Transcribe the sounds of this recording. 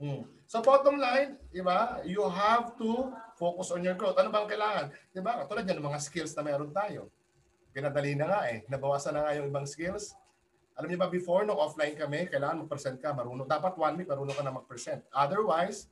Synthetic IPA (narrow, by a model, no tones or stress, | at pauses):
m̩ | sobot̪omlajnd̪ɪbajuɦavt̪ufowkʊsɔnjoɹɡɹot̪ʔɐnobɐŋkɐjlaːŋɐnd̪ɪbakɐt̪uːlɐd̪̚ɲanɐŋmɐŋaskɪlsnɐmɛjʔɐɾont̪aːjo̞̰ | pɪnad̪ɐlinɐŋaʔɛnɐbɐwaːsɐnːɐŋajʊŋʔɪbaŋskɪls | ʔɐlamɲobɐbɪfoɹnoɡʔoflajnkɐmɛkɐjlaːŋɐnmɐɡ̚pɾɛsɛnt̪̚kɐmɐɾuːnod̪aːpɐt̪̚wanwimɐɾuːnokɐnɐmɐɡ̚pɾɛsɛnt̪̚ʔad̪ɛɹwajs